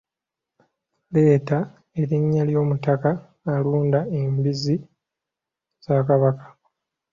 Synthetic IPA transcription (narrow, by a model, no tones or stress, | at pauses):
le̞ːta | e̞ɾiɲːaljo̞ːmutakaː | luːndaembizi | z̥aːkaβakḁ